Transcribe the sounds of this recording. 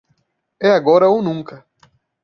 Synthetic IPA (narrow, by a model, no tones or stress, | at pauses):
ɛaɡɔɾɐownũŋkɐ